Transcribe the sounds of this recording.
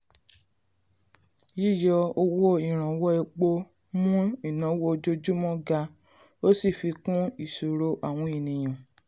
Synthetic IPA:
ji˦˨jɔ˧o˧wo˦i˦˨ɾ̃ã˨˦wɔ˦e˧k͡po˧ | mũ˦i˦˨nã˨˦wo˧d͡ʒo˧d͡ʒu˦mɔ̃˦ɡa˧ | o˦si˦˨fi˧kũ˦i˦˨so˨ɾo˧ʔa˦˨w̃ɔ̃˧i˨nĩ˨j̃ã˨

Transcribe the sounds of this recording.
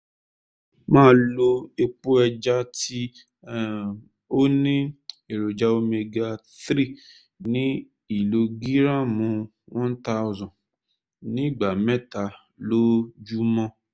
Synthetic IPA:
mãː˦lo˧e˧k͡pu˦ɛ˧d͡ʒa˦ti˦˨ | o˦nĩ˦e˨ɾo˨d͡ʒa˧o˧me˧ɡa˧ | θɾi˦˨ | nĩ˦ | i˦˨lo˧ɡi˦ɾã˦mũ˨˦ | wɔ̃˦n̩˦ta˧˦ʊ˧zɔ̃˨ | nĩ˦˨ɡ͡ba˨mɛ˦ta˧ | lo˦d͡ʒu˦mɔ̃˦

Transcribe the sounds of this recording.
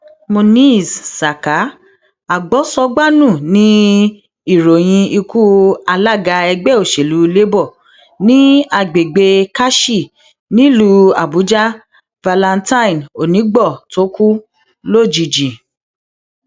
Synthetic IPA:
mo˧nĩ˦˨ssa˨ka˨˦ | a˨ɡ͡bɔ˨˦sɔ˧ɡ͡ba˦nũ˦˨nĩ˨˦ | i˦˨ɾo˨j̃ĩ˧i˧ku˦a˧la˦˨ɡa˧ɛ˧ɡ͡bɛ˦˨o˨ʃe˨lu˨˦le˦bɔ˦˨ | nĩ˦a˧˨ɡ͡be˨ɡ͡be˧ka˦ʃi˦˨ | nĩ˦lu˦a˨bu˨˦d͡ʒa˦ | va˧la˧ntã˦ĩ˨no˨nĩ˨˦ɡ͡bɔ˦˨to˦ku˦ | lo˦˨d͡ʒi˨d͡ʒi˨

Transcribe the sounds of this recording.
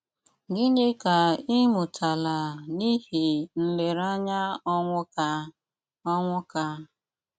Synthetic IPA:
ɡi˦ɲe˦ka˨i˦mʊ˨tʰa˨la˨ni˦ɦi˨n̩˨le˨ɾa˦ɲa˦ɔ˦ŋʷʊ˦ka˦ | ɔ˦ŋʷʊ˦ka˦

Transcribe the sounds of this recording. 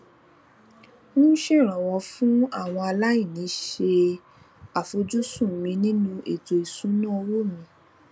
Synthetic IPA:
nũ˦ʃe˦˨ɾ̃ɔ̃˨wɔ˧fũ˦a˦˨w̃ɔ̃˧a˧la˦jĩ˦˨nĩ˨˦ʃe˧ | a˨fo˧d͡ʒu˦sũ˦˨mĩ˧˦nĩ˦nũ˧e˨to˨i˨sũ˨˦nã˦˧wo˦˨mĩ˧˦

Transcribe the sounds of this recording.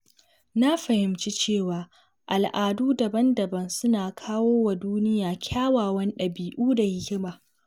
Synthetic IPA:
na˦ɸɐ˨hɪ˨mt͡ʃi˦t͡ʃeː˦˨waː˨ | ʔa˨lʔaː˨duː˦dɐ˨bɐ˦ndɐ˨bɐ˦nsʊ˦naː˨kʰaː˦woː˦wa˨duː˦nɪ˦jaː˨kʲʰaː˦waː˨wɐ˦nɗɐ˨biː˨ʔuː˦da˨hɪ˦kʲɪ˦maː˨

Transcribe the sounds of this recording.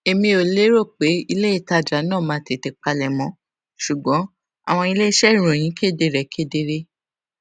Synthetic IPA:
e˧mĩ˧o˧le˦ɾo˦˨k͡pe˨˦i˧le˦i˦˨ta˧˨d͡ʒa˨˦nãː˦˨mãː˧˨te˨te˧k͡pa˧lɛ˨mɔ̃˨˦ | ʃu˨ɡ͡bɔ̃˨˦ | a̰˦˨w̃ɔ̃˧i˧le˦i˦ʃɛ˦˨ɾ̃õ˨j̃ĩ˨˦kʰe˦˨de˧˨ɾɛ˨kʰe˦de˧ɾe˧

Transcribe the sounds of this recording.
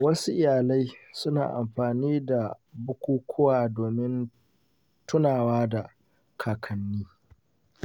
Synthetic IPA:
wɐ˦su˦ʔɪ˦˨jaː˨la˦jsʊ˦na̰ː˨ʔa̰˨mɸaː˨niː˦da˨bʊ˦kʷuː˦kʷʰʊ˦waː˨doː˨mɪ˦n | tʊ˦naː˨waː˦da˨ | kʰaː˨kʰɐ˨nːiː˦

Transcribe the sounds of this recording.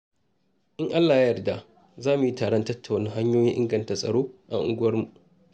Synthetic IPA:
ʔɪ˦ŋʔa˦lːaː˨ja˦jɐ˨rda˦ | zaː˦mu˨ji˦taː˨ɽɔ˦ntɐ˦tːa˨wna˦ŋɦa˦ɲjoː˦jɪ˦ʔɪ˦ŋɡɐ˨ntaː˨sʼɐ̰˨ɽoː˦ʔa̰˨ŋʔʊ˦ɡʊ˦wɐ˦rmu˨ʔ

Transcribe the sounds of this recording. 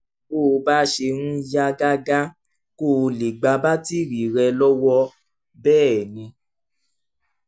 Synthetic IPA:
ko˦˨˧ba˦ʃe˧nũ˦ja˦ɡa˦ɡa˦ | ko˦˨˧li˨ɡ͡ba˧ba˦ti˦ɾi˨ɾɛ˧lɔ˦wɔ˧ | bɛː˦˨nĩ˧˦

